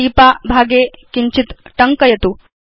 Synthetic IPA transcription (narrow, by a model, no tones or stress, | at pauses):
iːpaːbʱaːɡeːkiɲt͡ʃit̪ʈɐŋkɐjɐt̪u